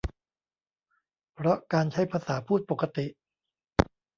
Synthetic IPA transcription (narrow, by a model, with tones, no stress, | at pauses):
pʰɾɔ˦˥kaː˧nt͡ɕʰa˦˥jpʰaː˧saː˩˦pʰuː˥˩t̪̚po˨˩kːa˧t̪i˨˩ʔ